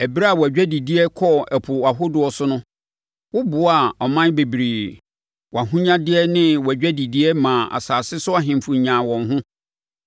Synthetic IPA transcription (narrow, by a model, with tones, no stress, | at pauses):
ɛ˨bi˦ɾa˨wɔ˨æ˨d͡ʑᶣæ˦di˨di˦ɛ˦kʰɔ˦ɛ˨pʰʊ˨wa˨ɦʊ˦dʊ˨ɔ˨sʊ˦nʊ̃˦ | wʊ˦bʊ˨˦a˨ɔ˨mã˦n˦be˨bi˨ɾiː˨ | wa˨ɦũ˦ɲã˦dɪ˦ɛ˦nɪ̃˦wɔ˨æ˨d͡ʑᶣæ˦di˨di˦ɛ˦mãː˨a̰˨saː˨sɪ˦sʊ˦a˦ɦɪ̃˨m˨fʊ˨ɲãː˨wɔ̃˨nɦʊ̃˦